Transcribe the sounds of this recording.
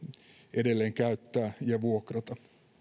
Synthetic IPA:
ʔedelːeːŋkæyt̪ːæːjɑʋuokrɑt̪ɑ

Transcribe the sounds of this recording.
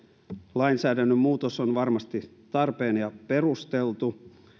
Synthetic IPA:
lɑinsæːdænːømmuːt̪osonʋɑrmɑst̪i | t̪ɑrpeːnjɑpe̞rust̪elt̪u

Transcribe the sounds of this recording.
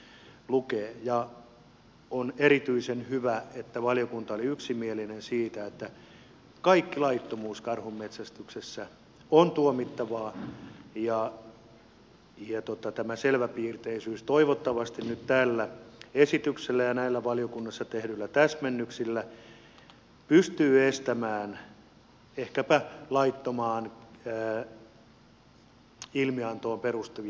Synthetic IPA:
lukeːjɑ | onerit̪yisenhyʋæet̪ːæʋɑlijokunt̪ɑoliyksimielinensiːt̪æet̪ːæ | kɑikːilɑit̪ːomuːskɑrhummet̪sæst̪yksesːæ | ont̪uomit̪ːɑʋɑːjɑ | jɑt̪ot̪ɑt̪æmæselʋæpiːrt̪eisyːst̪oiʋot̪ːɑʋɑst̪innyt̪t̪æːlːæesit̪ykselːæjɑnæilːæʋɑlijokunːɑsːɑt̪ehdylːæt̪æsmenːyksilːæ | pyst̪yːest̪æmæːn | ehkæpælɑit̪ːomɑːnː | ilmiɑnt̪oːmperust̪e

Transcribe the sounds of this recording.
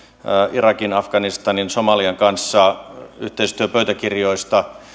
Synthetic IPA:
ʔirɑkinɑfɡ̥ɑnist̪ɑninsomɑliɑŋkɑnsːɑyht̪eist̪yøpøyt̪ækirjoist̪ɑ

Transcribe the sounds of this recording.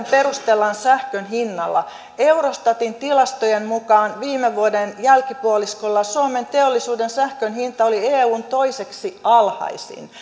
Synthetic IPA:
mperust̪elːɑnsæhkønɦinːɑlːɑ̰ | eurost̪ɑt̪int̪ilɑst̪ojemmukɑːnʋiːmːeʋuodenjælkipuoliskolːɑsuoment̪eolːisuːdensæhkønɦint̪ɑolieːuːnt̪o̞iseksiɑlhɑ̰isḭn

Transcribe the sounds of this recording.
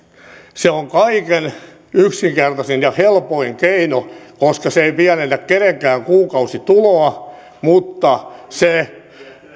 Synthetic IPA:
seoŋkɑiken | yksiŋkert̪ɑsenjɑhelpoiŋkeinokoskɑseipiænenːækkeneŋkæːŋkuːkɑusit̪uloɑ | mut̪ːɑse

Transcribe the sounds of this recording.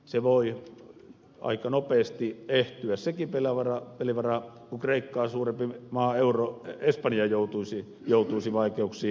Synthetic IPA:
seʋoˑi | ɑ̰ˑikɑnopeːˑst̪ieht̪yæssekipelæʋɑrɑpeliʋɑrɑ | kukreˑikːɑːsuːrempimɑːeuroespɑnjɑjoˑut̪uisi | joˑut̪uisiʋɑˑikeuksˑiː

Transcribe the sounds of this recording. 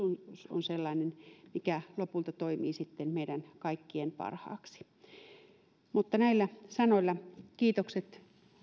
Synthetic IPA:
unso̰nselːɑˑinenmikælopult̪ɑt̪oimiːsit̪ːenmeidænkɑikːienpɑ̰rhɑ̰ːksi̥ | mut̪ːɑnæilːæsɑnoilːɑkiːt̪okset̪

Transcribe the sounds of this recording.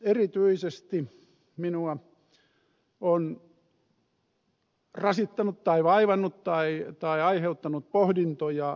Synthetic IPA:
erit̪yisest̪i | minuɑ | on | rɑsit̪ːɑnut̪t̪ɑiʋɑiʋɑnːut̪t̪ɑit̪ɑiɑiheut̪ːɑnut̪̚pohdint̪ojɑ

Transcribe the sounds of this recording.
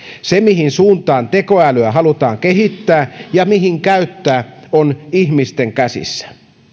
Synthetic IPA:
semihinsuːnt̪ɑːnt̪ekoæløæɦɑlut̪ɑːŋkeɦit̪ːæːjɑmiɦiŋkæyt̪ːæːonihmist̪eŋkæsḭsːæ̥

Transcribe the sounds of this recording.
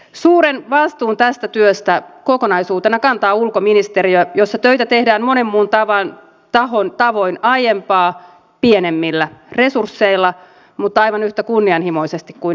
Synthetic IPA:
suːɾenʋɑst̪uːnt̪æst̪æt̪yøst̪ækokonɑisuːt̪enɑkɑnt̪ɑːulkominist̪eɾiøjosːɑt̪øjt̪æt̪ehdæːmmo̞nemːuːnt̪ɑʋɑn | t̪ɑɦont̪ɑʋo̞inɑjempɑː | pienemːilːære̞sursːeilːɑ | mut̪ːɑjʋɑnyht̪ækunːiɑnhimo̞isest̪ikkuin

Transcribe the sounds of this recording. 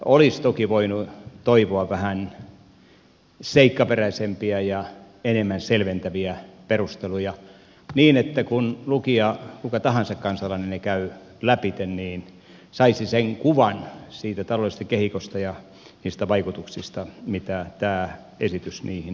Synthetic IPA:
olist̪okiʋoinut̪oiʋoɑʋʋæhæn | seikːɑperæisempiæjɑ | enemːænselʋent̪æʋiæperust̪elujɑ | niːnet̪ːækunlukiɑkukɑt̪ɑhɑnsɑkkɑnsɑlːɑnennekæy | læpit̪enniːn | sɑisiseŋkuʋɑnsiːt̪æt̪ɑlolist̪ɑkehikost̪ɑjɑ | niːst̪æʋɑikut̪uksist̪ɑmit̪æt̪æː | esit̪ysniːhin

